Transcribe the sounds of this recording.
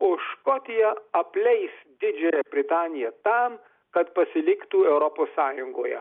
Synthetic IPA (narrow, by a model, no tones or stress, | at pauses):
oʃkɔːt̪ʲɪjɛɐpʲlʲɛɪsd̪ʲɪd͡ʒʲɛjɛbʲɾʲɪt̪ɑːnʲɪjɛt̪ɑm | kɐt̪pɐsʲɪlʲɪkt̪uːɛʊɾɔpoːsːɑːjʊŋɡoːjɛ̰